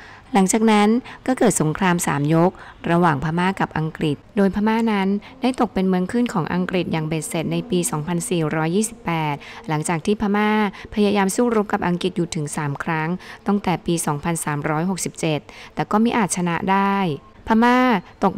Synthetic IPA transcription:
la˩˦ŋt͡ɕaː˨˩k̚na˦˥nkɔː˥˩kɤː˨˩t̪̚so˩˦ŋkʰɾaː˧msa̰ː˩˦mjo˦˥k̚ɾa˧waː˨˩ŋpʰaː˧maː˥˩ka˨˩p̚ʔa˧ŋkɾi˨˩t̪̚doː˧jpʰaː˧maː˥˩na˦˥n | da˥˩jt̪o˨˩k̚pe˧nmɯ˦˥əŋkʰɯ˥˩nkʰɔː˩˦ŋʔa̰˧ŋkɾi˨˩t̪̚jaː˨˩ŋbeː˨˩t̪̚se˨˩t̪̚na˧jpiː˧sɔː˩˦ŋpʰa˧nsiː˨˩ɾɔː˦˥jːiː˥˩si˨˩pːɛː˨˩t̪̚la˩˦ŋt͡ɕaː˨˩k̚t̪ʰiː˥˩pʰaː˧maː˥˩pʰa˧jaː˧jaː˧msuː˥˩ɾu˦˥p̚ka˨˩p̚ʔa˧ŋki˨˩t̪̚juː˨˩t̪ʰɯ˩˦ŋsaː˩˦mkʰɾa˦˥ŋt̪ɔ˥˩ŋt̪ɛː˨˩piː˧sɔː˩˦ŋpʰa˧nsaː˩˦mɾɔː˦˥jɦo˨˩k̚si˨˩p̚t͡ɕe˨˩t̪̚ːɛː˨˩kɔː˥˩mi˦˥ʔaː˨˩t̪̚t͡ɕʰa˧na˦˥ʔdaː˥˩j | pʰaː˧maː˥˩t̪o˨˩k̚

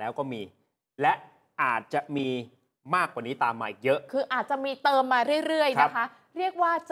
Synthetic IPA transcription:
ɛː˦˥wkɔː˥˩miː˧ | lɛ˦˥ʔ | ʔaː˨˩t̪̚t͡ɕa˨˩ʔmiː˧ | maː˥˩kwaː˨˩niː˦˥t̪aː˧mːaː˧˩ʔi˨˩k̚jɤ˦˥ʔkʰɯː˧ʔaː˨˩t̪̚t͡ɕa˨˩miː˧t̪ɤː˧mːaː˧ɾɯ˥˩əjɾɯ˥˩əjna˦˥kʰa˦˥ | ɾi˥˩ək̚waː˥˩t͡ɕ

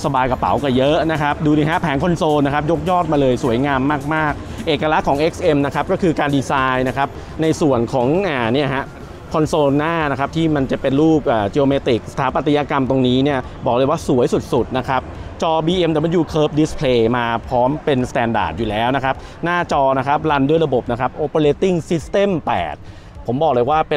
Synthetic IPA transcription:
sa˧baː˧jka˨˩pa̰˩˦wka˨˩jɤ˦˥na˦˥kʰa˦˥p̚duː˧t̪iː˧˩ɦa˦˥ʔpʰɛː˩˦ŋkʰo˧nsoː˧na˦˥kʰa˦˥p̚jo˦˥k̚jɔː˥˩t̪̚maː˧lɤː˧jsu˩˦əjŋaː˧mːaː˥˩k̚maː˥˩k̚ʔeː˨˩kːa˧la˦˥kʰɔː˩˦ŋʔe˦˥k̚sʔe˧mna˦˥kʰa˦˥p̚kɔː˥˩kʰɯː˧kaː˧ndiː˧saː˧jna˦˥kʰa˦˥p̚ | na˧jsu˨˩ənkʰɔː˩˦ŋʔaː˨˩ni˥˩ɐha˦˥ʔ | kʰɔ˧nsoː˧nːaː˥˩na˦˥kʰa˦˥p̚t̪ʰiː˥˩ma˧nt͡ɕa˨˩pe˧nɾuː˥˩p̚ʔaː˨˩t͡ɕe˧oː˧meː˧t̪i˨˩k̚sḁ˧t̪ʰaː˩˦pa˨˩t̪ʰːi˧jaː˧ka˧mt̪o˧ŋniː˦˥ni˥˩ɐbɔː˨˩k̚lɤ˧jwaː˥˩su˨˩˦əjsu˨˩t̪̚su˨˩t̪̚na˦˥kʰa˦˥p̚t͡ɕɔː˧biː˧ʔe˧mt̪ɛ˨˩m˧njuː˨˩kʰɤː˦˥p̚di˦˥spʰleː˧maː˧pʰɔː˦˥mpe˧nst̪ɛː˧nda̰ː˨˩t̪̚juː˨˩lɛː˦˥wna˦˥kʰa˦˥p̚ | naː˥˩t͡ɕɔː˧na˦˥kʰa˦˥p̚la˧ndu˥˩əjɾa˧bo˨˩p̚na˦kʰa˦˥p̚ʔoː˧po˧leː˧t̪i˥˩ŋsi˦˥st̪e˥˩mpɛ̰ː˨˩t̪̚ | pʰo˩˦mbɔː˨˩k̚lɤː˧jwaː˥˩p

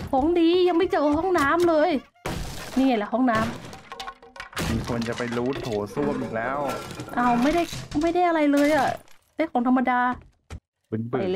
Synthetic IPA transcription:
kʰoː˨˩˦ŋdiː˧ja˧ŋma˥˩jt͡ɕɤː˧˩ɦɔ˥˩ŋnaː˦˥mlɤː˧j | niː˧˩ŋa˧˩lɛ˧˩ɦɔ˥˩ŋnaː˦˥m | miː˧kʰo˧nt͡ɕa˨˩pa˧jluː˦˥t̪ʰoː˨˩˦su˥˩əmʔiː˨˩lɛː˦˥wʔa˧˩wma˥˩jda˥˩jma˥˩jda˥˩jʔa˧ɾa˧jlɤː˧jʔa˨˩daː˥˩jkʰɔː˨˦ŋt̪ʰa˧mːa˧daː˧ | be˨˩npɯ˨˩

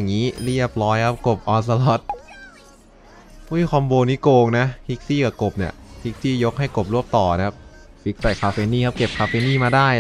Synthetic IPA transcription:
ŋːiː˦˥li˥˩əp̚lɔː˦˥jkʰa˦˥p̚ko˨˩p̚ʔɔː˧s̬a˧lɔ˦˥t̪̚ | ʔu˦˥˩kʰɔ˧mboː˧nːiː˦˥koː˧ŋna˦˥hʰi˦˥k̚siː˥˩ka˨˩ko˨˩p̚ni˧˩pʰi˦˥k̚siː˥˩jo˦˥k̚ha˥˩jko˨˩p̚ɾu˥˩əm̚t̪ɔː˨˩na˦˥kʰa˦˥p̚ | fi˦˥k̚sa˨˩kʰaː˧feː˧niː˥˩kʰa˦˥p̚ke˨˩p̚kʰaː˧feː˧niː˥˩maː˧daː˥˩j

